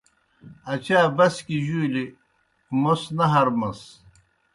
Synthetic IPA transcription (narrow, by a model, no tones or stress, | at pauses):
ɐt͡ɕaːbɐskiʑuːli | mosnɐɦɐɾmɐs